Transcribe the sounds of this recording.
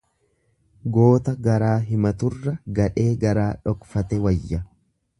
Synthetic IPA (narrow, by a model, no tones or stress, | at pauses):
ɡo̞ːt̪ɐɡɐɾaːɦɪmɐt̪ʊrːɐɡɐᶑe̞ːɡɐɾaːᶑɔkfɐt̪ɛwɐjːɐ